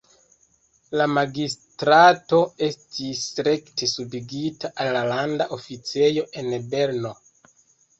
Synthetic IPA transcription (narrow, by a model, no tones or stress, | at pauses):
lamaɡistɾato̞e̞stisɾe̞ktesubiɡitaʔalːalandaʔo̞fit͡se̞jo̞ʔe̞nbe̞ɾno̞